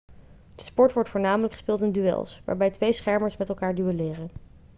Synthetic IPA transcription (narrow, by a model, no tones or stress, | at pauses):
d̥əspɔɹtʋɔɹtfʊːɹnaːmələkχə̥spɪːlˠtɪndyɛ̰lˠsʋa̰ːɹbɛjtʋejsχɛɹməɹsmɛtɛlˠkaːɹdyʋəlɪːrən